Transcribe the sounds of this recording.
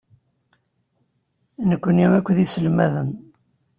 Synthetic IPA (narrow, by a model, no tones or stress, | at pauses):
nəkʷːənjumækʷːðisəlmæðən